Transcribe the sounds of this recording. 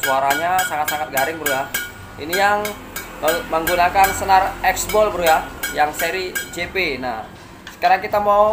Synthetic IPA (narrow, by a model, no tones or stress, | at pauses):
suaɾaɲasaŋat̪̚saŋat̪̚ɡaɾɪŋbɾuja | ḭnijaŋ | məməŋɡunakansənarɛksbɔlbəɾujajaŋseɾid͡ʒepenah | sə̥kaɾaŋkit̪amau